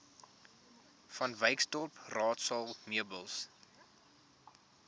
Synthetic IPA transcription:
fɐnvəjkstɔrprɑːtsɐlˠmiəbəlˠs

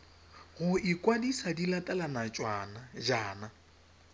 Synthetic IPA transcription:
ɣʊɪkʼwadisadilatʼalanat͡ʃʼwaːnad͡ʒaːna

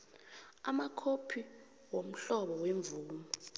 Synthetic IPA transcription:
a̰makʰopʰi | wom̩ɬɔɓɔweɱb̪vuːmɔ

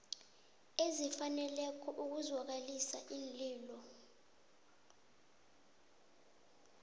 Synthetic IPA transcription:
ezifanɛlɛkʰɔʔuk̬uzwak̬alisa̰ʔiːnliːlɔ

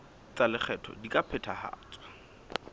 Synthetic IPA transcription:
t͡salɪχʰɛtʰɔ̰dikʼapʰɛtʰaha̰ːt͡sʼwa

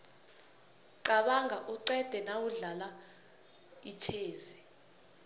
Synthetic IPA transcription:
ǀaɓaŋɡʱaʔuǀɛd̥ʱɛnawuɮala | it͡ʃʰeːzi

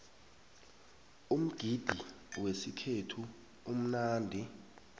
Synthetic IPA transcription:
um̩ɡ̥ʱid̥ʱi | wesikʰetʰu | um̩naːndʱi

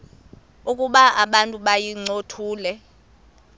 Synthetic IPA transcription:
ukʼuɓaʔaɓantʼuɓajiŋ͡ǀotʰuːlɛ

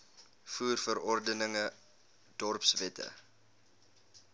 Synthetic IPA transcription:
fuːrfəɾɔrdənəŋə | d̥ɔrpsvɛtə̰

